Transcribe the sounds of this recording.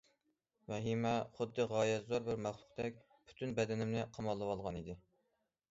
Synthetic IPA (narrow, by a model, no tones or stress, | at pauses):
mɛɦimɛχʊd̪ːɨʁɑːjɛzoɾbɪɾmæχlˠʊ̥qt̪ɛk̚ʲ | pʰy̥t̪ʰynbɛd̪ɛnɪmnɪqʰɑmɑlˠːɨwɑlˠʁɑnid̪ɪ